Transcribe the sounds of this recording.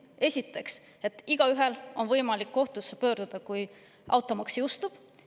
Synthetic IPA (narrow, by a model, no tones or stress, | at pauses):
e̞sʲit̪ːˑe̞ks | e̞t̪ːˑiɡ̥ɑyɦe̞lo̞nvɤjmɑlikːo̞ht̪usːepø̞ːɾd̪̥ud̪̥ɑkuj | ʔɑ̰wt̪ːˑomɑksjuust̪ub̥